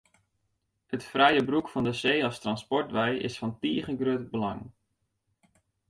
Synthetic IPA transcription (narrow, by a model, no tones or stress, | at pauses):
hətfrɛjəbrukfɑndəseːɑstrɑnspɔɹtʋɛjɪ̰sfɑntiːχənɡrøtbəlɑ̰ŋ